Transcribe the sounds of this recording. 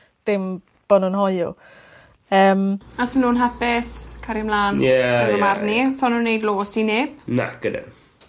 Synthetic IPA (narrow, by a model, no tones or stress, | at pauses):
d̥ɪm | b̥ɔnunɦɔjʊ̰ | əːmasənuːnɦapɪskʰaɾɪmlˠaːnjɛaəmarnisɔnunːejdlˠoːsinɪb̥na̰ɡ̥ədɛ̰